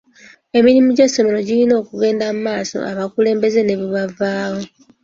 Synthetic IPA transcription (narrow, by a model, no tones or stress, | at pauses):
e̞miɾimuɟesːo̞me̞ɾo̞ɟilino̞ːkuɡe̞ːndamumaːso̰ʔaβakule̞ːmbe̞ze̞ne̞βiβavaːwo̞